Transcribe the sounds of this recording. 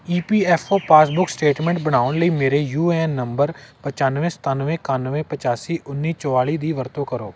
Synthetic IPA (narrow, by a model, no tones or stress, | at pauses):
iːpiːɛːfʰoːpaːsbʊksʈeːʈmɛ̃ːɳʈ̚bəɽ̃aːʋʊɳləiːmeːɾeːjuːenːəmbəɾpət͡ʃaːnʋẽːsə̥t̪aːnʋẽːkaːnʋẽːpət͡ʃaːsiːʔʊnːiːt͡ʃəʋaːɭiːd̪iːʋəɾt̪õːkəɾoː